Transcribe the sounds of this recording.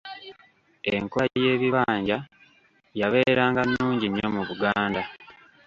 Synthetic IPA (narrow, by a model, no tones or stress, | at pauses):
eŋkoje̞ːβiβaːɲɟa | jaβe̞ːɾaːŋɡanːuːɲɟiɲːo̞muβuɡaːnda